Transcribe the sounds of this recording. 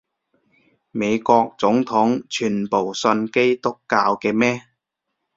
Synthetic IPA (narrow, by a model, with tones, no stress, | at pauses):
me˨˧jkɔː˧k̚t͡sʊ˨˥ŋt̪ʰʊ˨˥ŋt͡ʃʰyː˨˩npo˨˩wsɵ˧nke˥jt̪ʊ˥kːaː˧wkɛː˧mɛː˥